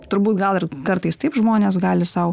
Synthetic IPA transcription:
t̪ʊɾbuːt̪ɡɐlˠɪrkɐɾt̪ɐɪst̪ɐɪpʒmoːnʲeːsɡɑːlʲɪsɐʊ

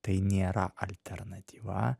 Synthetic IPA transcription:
t̪ɐɪnʲeːɾɐ̰ʔɐlʲt̪ʲɛɾnɐt̪ʲʰiːʋɐ̰

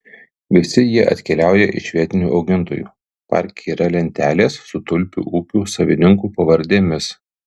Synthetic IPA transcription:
ʋʲɪsʲɪjiɛʔɐ̰t̪ʲkʲɛlʲæˑʊjɛʔɪ̰ʃʲʋʲiɛt̪ʲɪnʲuːʔɒʊɡʲɪnt̪oːjṵː | pɐ̰ˑɾʲkʲːiːɾɐlʲɛnʲt̪ʲæːlʲeːsːʊt̪ʊlʲpʲṵʔuːkʲuːsɐʋʲɪnʲɪŋkuːpɐʋɐɾʲd̪ʲeːmʲɪs

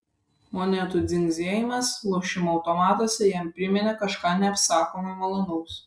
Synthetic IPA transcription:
monʲɛt̪uˑd̪zʲɪŋʲɡzʲeːjɪmɐslˠɔʊʃʲɪmoɐʊt̪ɔmɑːt̪oːsʲɛjɛmpʲɾʲɪmʲɛnʲekɐʃkɑːnʲɛɐpsɑːkoːmɐɪmɐlˠonɔʊs

